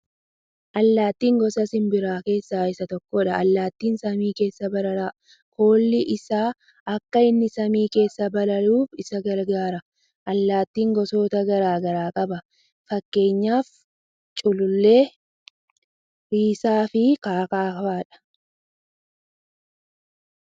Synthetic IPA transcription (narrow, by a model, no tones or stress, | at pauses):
ʔɐlːaːt̪ːiːŋɡɔsɐsɪmbɪɾaːke̞ːsːaːɪsɐt̪ɔkːɔᶑɐɐlːaːt̪ːiːnsɐmiːke̞ːsːɐbɐlɐla | koːlːɪʔɪsaː | ɐkːɐɪnːɪsɐmiːke̞ːsːɐbɐlɐluːfɪsɐɡɐɾɡaːɾɐ | ʔɐlːaːt̪ːiːŋɡɔso̞ːt̪ɐɡɐɾaːɡɐɾaːkʼɐbɐ | fɐkːe̞ːɲːaːf | t͡ʃʼʊlʊlːe̞ː | ɾiːsaːfɪkaːkaːfaːᶑɐ̥